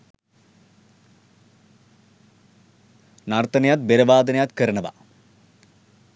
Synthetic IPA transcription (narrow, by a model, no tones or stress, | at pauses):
nɐrt̪ɐnɐjaːt̪̚beɾɐʋaːd̪ɐnɐjaːt̪kɐɾɐɳɐʋa̰